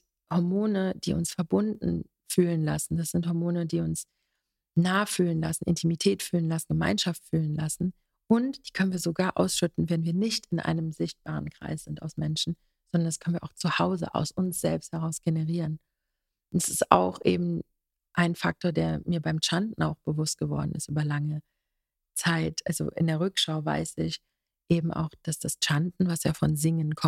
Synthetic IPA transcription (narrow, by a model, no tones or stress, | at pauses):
hɔɐmoːnəd̥ḭːʊ̰nsfɛɐbʊndn̩ | fyːlənla̰sn̩d̥asz̥ɪnthɔɐmoːnədiːʊns | naːfyːlənlasn̩ʔɪ̰ntʰimitʰɛːtfyːlənlasn̩ɡəma̰ɪnʃaftfyːlənlasn̩ | ʔʊntd̥iːkʰœnən̩viːɐzoɡaːɐʔa̰ʊsʃʏtn̩vɛdn̩viːɐnɪçtɪnʔa̰ɪnəmzɪçt̚b̥aːʁənkʁ̥a̰ɪsz̥ɪntaʊsmɛnʃn̩ | z̥ɔndɐndaskʰœnviɐʔaʊt͡suhaʊzə̰ʔa̰ʊsʊnsz̥ɛlpst̚hɛʁ̞aʊsɡ̥enəʁiːʁən | ʔʊntḁsɪstʔa̰ʊxʔḛːbm̩ | ʔaɪnfak̚tʰoːɐdeːɐmiːɐbaɪmt͡ʃantn̩a̰ʊxb̥əvʊst̚ɡ̥əvɔ̰ɐdn̩ɪ̰stʔyːbɐlaŋə | t͡saɪtʔa̰lzo̰ʔɪ̰ndeːɐʁʏkʃaʊva̰ɪsɪç | ʔeːbm̩ʔa̰ʊxd̥asd̥ast͡ʃantn̩vasjaːfɔnzɪŋənkʰɔ